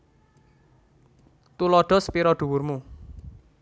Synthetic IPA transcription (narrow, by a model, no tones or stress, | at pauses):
t̪ulɔɖ̥ɔ̤spiɾɔɖ̥ṳwurmu